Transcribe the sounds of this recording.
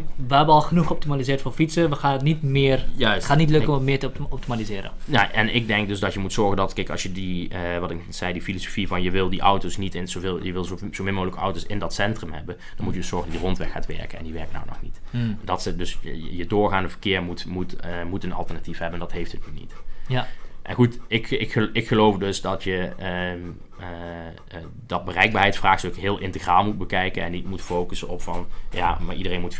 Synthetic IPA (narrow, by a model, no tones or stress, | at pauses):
ʋəɦɛbəɔlˠχənuχəp̚timalizɪːɹtfoːfitsəʋəxaːnətnitmɪːrjœsaːtnit̬løkəɔməmɪːtəɔp̚timalizɪːɾə̰naʔɛnʔɪɡ̚dɛŋkdøsdɑtjəmutsɔɹɣəndɑtkɛɪjkɑ̰sjədiəʋɑtɪkz̥ɛjdifiloso̥fivɑnjəʋɪlˠdiʔʌwtosnitɪnsolˠjəʋɪlˠzzomɪnmowɣələkəɑwtosɪndɑtsɛntrəmhɛ̰bə | d̥ɑnmutjədɵsɔɹɣəndɔtdirɔntʋɛxa̰ːtʋɛ̰ɹkənɛ̰ndiʋɛɹkna̰wnɔ̰xnitdɑtsdɵsjədʊːɹɣaːndəvə̥rkɪːɹmutmutmutənɑ̰lˠtəɹnatifɦɛbəndɑtɦejftɦətnynḭt | ʔɛnxutɪkɪkɪkxəlowfdɵsdɑtjə | dɑd̚bərɛjɡ̚baːɦɛjtfraːxsøkɦɪːlˠʔɪntəxraːlˠmud̚bəkɛjkənɛ̰nːitmutfowkəsənɔpfɑnja̰maːɹʔidərejnmut